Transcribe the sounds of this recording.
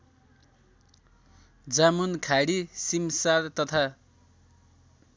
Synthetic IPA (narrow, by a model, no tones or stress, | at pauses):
d͡zamunkʰaɽisimsaɾt̪ʌt̪ʰa